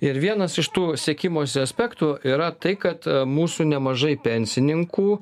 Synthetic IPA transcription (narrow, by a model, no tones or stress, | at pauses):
ɪɾʋʲiɛnɐsɪʃt̪uːsʲiɛkʲɪmoːsʲɪɐsʲpʲæːkt̪ʊʔiːɾɐt̪ɐɪkɐt̪muːsuːnʲɛmɐʒɐɪpʲɛnʲsʲɪnʲɪŋkuː